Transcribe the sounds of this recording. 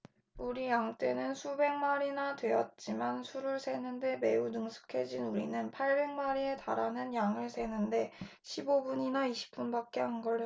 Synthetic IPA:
uɾijaŋt͈e̞nɯnsʰube̞ŋmaɾinadwe̞ʌt̚t͡ɕ͈imansʰuɾuɭsʰe̞nɯnde̞me̞unɯŋsʰu̥kʰe̞d͡ʑinuɾḭnɯnpʰaɭbe̞ŋmaɾieta̰ɾanɯnjaŋɯɭsʰe̞nɯnde̞ | ɕʰibobuɲinaiɕʰi̥p̚p͈unbak͈e̞ɦanɡʌɭː

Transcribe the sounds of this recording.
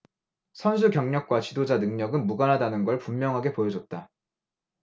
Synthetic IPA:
sʰʌnsʰukjʌŋɲʌk̚k͈wat͡ɕidod͡ʑanɯŋɲʌɡɯnmuɡanɦadanɯnɡʌɭpumːjʌŋɦaɡe̞pojʌd͡ʑʌt̚t͈a

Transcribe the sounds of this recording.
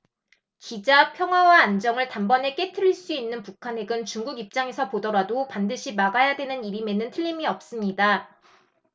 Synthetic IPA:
kid͡ʑapʰjʌŋɦwawaːnd͡ʑʌŋɯɭtambʌne̞k͈e̞tʰɯɾiɭs͈uinːɯnpukʰane̞ɡɯnt͡ɕuŋɡuɡip̚t͡ɕ͈aŋe̞sʰʌpodʌɾadopandɯɕʰimaɡajadwe̞nɯniɾime̞nɯntʰɯʎːimiʌp̚s͈ɯmɲida

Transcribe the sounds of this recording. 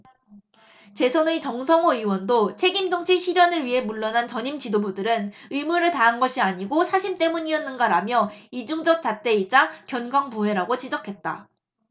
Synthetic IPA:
t͡ɕe̞sʰʌnɯt͡ɕʌŋsʰʌŋoiwʌndot͡ɕʰe̞ɡimd͡ʑʌŋt͡ɕʰiɕʰiɾjʌnɯɭɥiɦe̞muɭːʌnant͡ɕʌɲimt͡ɕidobudɯɾɯnɯimuɾɯɭtaɦanɡʌɕʰiaɲiɡosʰaɕʰimt͈e̞muɲiʌnːɯnɡaɾamjʌid͡ʑuŋd͡ʑʌk̚t͡ɕ͈at͈e̞id͡ʑakjʌnɡwaŋpuɦwe̞ɾaɡot͡ɕid͡ʑʌkʰe̞t̚t͈a̰

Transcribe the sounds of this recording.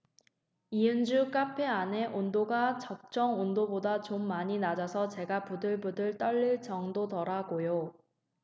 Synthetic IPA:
iɯnd͡ʑuk͈apʰe̞ane̞ʔondoɡat͡ɕʌk̚t͡ɕ͈ʌŋondobodat͡ɕomːaɲinad͡ʑasʰʌt͡ɕe̞ɡapudɯɭbudɯɭt͈ʌɭːɯɭt͡ɕʌŋdotʌɾaɡojo

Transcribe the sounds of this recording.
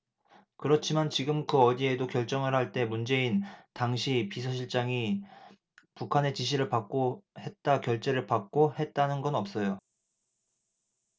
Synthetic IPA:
kɯɾʌt͡ɕʰimant͡ɕiɡɯmkɯʌdie̞dokjʌɭt͡ɕ͈ʌŋɯɭhaɭt͈e̞mund͡ʑe̞intaŋɕʰipisʰʌɕʰiɭt͡ɕ͈aŋi | pukʰane̞t͡ɕiɕ̬ʰiɾɯɭpak̚k͈ohe̞t̚t͈akjʌɭt͡ɕ͈e̞ɾɯɭpak̚k͈ohe̞t̚t͈anɯnɡʌnʌp̚s͈ʌjo

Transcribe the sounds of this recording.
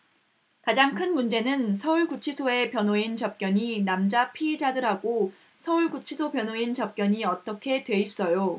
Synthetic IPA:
kad͡ʑaŋkʰɯnmund͡ʑe̞nɯnsʰʌuɭkut͡ɕʰisʰoe̞pjʌnɦoint͡ɕʌp̚k͈jʌɲinamd͡ʑapʰiːd͡ʑadɯɾɦaɡo | sʰʌuɭkut͡ɕʰisʰopjʌnɦoint͡ɕʌp̚k͈jʌɲiʌt͈ʌkʰe̞dwe̞is͈ʌjo

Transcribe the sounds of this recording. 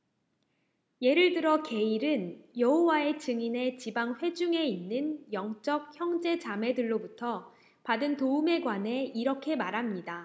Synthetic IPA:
je̞ɾɯɭdɯɾʌke̞iɾɯnjʌɦowae̞t͡ɕɯŋine̞t͡ɕibaŋɸwe̞d͡ʑuŋe̞inːɯnjʌŋt͡ɕ͈ʌk̚çjʌŋd͡ʑe̞t͡ɕame̞dɯɭːobutʰʌ | padɯntoume̞ɡwane̞iɾʌkʰe̞maɾɦamɲida

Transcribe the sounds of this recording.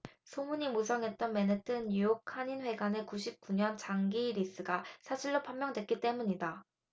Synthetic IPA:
sʰomuɲimusʰʌŋɦe̞t̚t͈ʌnme̞netʰɯnujokʰaɲinɸwe̞ɡane̞kuɕʰip̚k͈uɲʌnt͡ɕaŋɡiɾis͈ɯɡasʰaɕʰiɭːopʰammjʌŋdwe̞t̚k͈it͈e̞muɲida

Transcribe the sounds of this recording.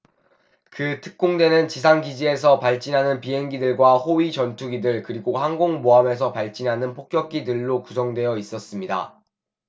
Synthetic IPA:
kɯtʰɯ̥k̚k͈oŋdwe̞nɯnt͡ɕis̬ʰaŋɡid͡ʑie̞s̬ʰʌpaɭt͡ɕ͈inɦanɯnpiɦe̞ŋɡidɯɭɡwahoɥit͡ɕʌntʰuɡidɯɭkɯɾiɡoɦaŋɡoŋmoame̞s̬ʰʌpaɭt͡ɕ͈inɦanɯnpʰok̚k͈jʌk̚k͈idɯɭːokusʰʌŋdwe̞jʌis͈ʌs͈ɯmɲida̰

